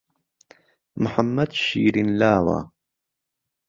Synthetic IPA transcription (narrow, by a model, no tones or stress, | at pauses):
mħamːɐd̪ʃiːɾinlaːwa̰ː